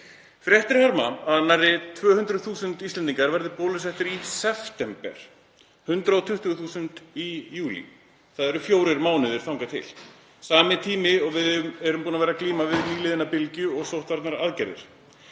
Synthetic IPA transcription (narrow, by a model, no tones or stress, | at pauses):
fɾjɛht̪ɪɾhaɾma̰aðnarːɪt̪ʰvœːhʏnt̪ɾʏðθuːsʏnt̪ist̪lɛnt̪iŋkaɾvɛɾðɪpɔːlʏsɛhft̪ɪɾisɛft̪ɛmpɛ̰ɾ̥ | hʏnt̪ɾaɔt̪ʰʏht̪ʏɣθuːsʏnt̪ijuːlḭ | θaðɛɾʏfjoːwɾɪɾmaːwnɪðɪɾ̥θawŋkat̪ʰɪ̰l̥ | saːmɪt̪ʰiːmɪɔɣvɪðmɛɾʏmpuːnavɛːɾakliːmavɪðniːlɪðɪnapɪlcʏɔɣsowht̪vaɾt̪naɾaðcɛɾðɪ̰ɾ̥